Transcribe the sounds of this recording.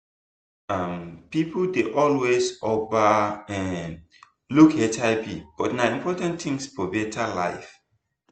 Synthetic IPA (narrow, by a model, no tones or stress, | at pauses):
ampipdeʔɔlwesɔbaɛ̃n | lukʰɛtaɪpḭb̥ɔtnaĩmpʰɔtãnt̪ĩŋsfɔbɛtʰala̰ɪf